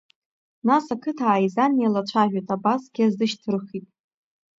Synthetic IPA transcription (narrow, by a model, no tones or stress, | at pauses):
nasakʰɨtʰaːjzanialat͡ʃʷʰaʒᶣajtʰʼabasɡʲiazdɨʃtʰɨrχitʼ